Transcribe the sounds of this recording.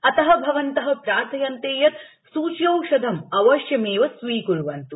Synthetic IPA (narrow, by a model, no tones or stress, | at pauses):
ɐt̪ɐɦɐ̆bʱɐʋɐnt̪ɐɦɐ̆pɾaːɾt̪ʰɐjɐnt̪eːjɐt̪ | suːt͡ʃjɐwʃɐd̪ʱɐmɐʋɐʃjɐmeːʋɐsʋiːkuɾuʋɐnt̪u